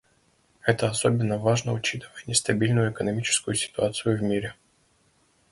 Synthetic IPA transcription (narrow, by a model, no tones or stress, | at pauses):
ɛt̪əɐso̞bʲɪnːəvaʐnəʊt͡ɕit̪ɨvəjnʲɪst̪ɐbʲilʲnʊjʊɛkənɐmʲit͡ɕɪ̥skʊjʊsʲɪ̥t̪ʊat̪sɨjʊvmʲiɾʲɪ